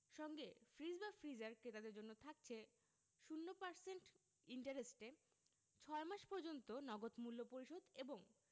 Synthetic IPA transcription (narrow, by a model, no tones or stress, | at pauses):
ʃɔŋɡefɾid͡ʑbafɾid͡ʑaɾkɾet̪ad̪eɾd͡ʑonːot̪ʰak̚t͡ɕʰe | ʃunːopaɾseɳʈ | iɳʈaɾesʈe | t͡ɕʰɔemaʃpɔɾd͡ʑont̪onɔɡot̪mulːopoɾiʃod̪eboŋ